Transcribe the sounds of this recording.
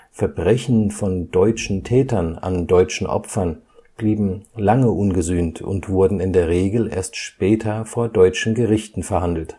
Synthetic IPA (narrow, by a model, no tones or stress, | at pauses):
fɛɐbʁɛçn̩fɔndɔʏt͡ʃn̩tʰɛːtɐna̰ndɔʏt͡ʃn̩ʔɔ̰pfɐn | b̥liːbm̩laŋəʔʊnɡəzyːntʊ̰ntv̥ʊɐdn̩ɪndeːɐʁeːɡl̩ḛːɐstʃpɛːtʰɐfoːɐdɔʏt͡ʃn̩ɡəʁɪçtn̩fɛɐhandl̩t